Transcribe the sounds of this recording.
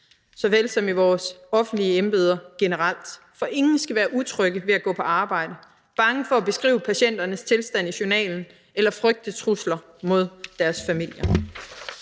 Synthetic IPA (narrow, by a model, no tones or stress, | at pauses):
sɒ̽ʋelsɒ̽miʋɒːsɒ̽fn̩d̥liəemb̥e̝ːð̞ˠɐɡ̥e̝nəʁɑl̰d̥ | fɒ̽ʔe̝ŋn̩sɡ̥æʋæːɐʔut͡sʰʁœɡ̥əʋe̝æɡ̥ɔ̰̽ːpʰɒ̽ɑ̈ːb̥ɑ̈ɪ̰d̥ə | b̥ɑ̈ŋəfɒ̽æb̥e̝sɡ̥ʁḭːʊəpʰæɕen̰d̥ɐnəst͡sʰe̝lsd̥æn̰iɕonɛ̰ːln̩ | elɐfʁœɡ̥̚d̥ət͡sʰʁuslɐ | mo̝ð̞ˠd̥æɐsfæmil̰jɐ